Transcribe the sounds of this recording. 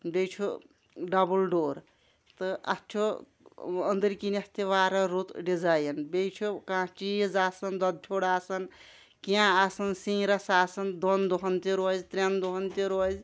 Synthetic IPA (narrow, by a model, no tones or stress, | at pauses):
bejt͡ʃʰu | ɖɐbulɖoːɾ | t̪ɨɐ̰t͡ʃʰo | ənd̪əɾkinɐst̪eʋaːɾɐɾut̪ɖid͡zajnbejt͡ʃʰukãːt͡ʃijzaːsɐnd̪ɐd̪̚t͡ʃʲʰoɽaːsɐn | kijãasɐnsĩːɾɐsaːsɐnd̪ond̪oɦɐnt̪iɾozt̪ɾend̪oɦɐnt̪iɾoz